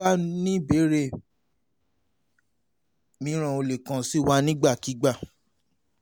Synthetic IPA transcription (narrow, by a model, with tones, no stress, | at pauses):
a˦nĩ˦be˨˦ɾe˦˨ | mĩ˨˦ɾ̃ã˨o˧le˨kã˨si˦wa˧nĩ˦ɡ͡ba˦˨ki˨˦ɡ͡ba˦˨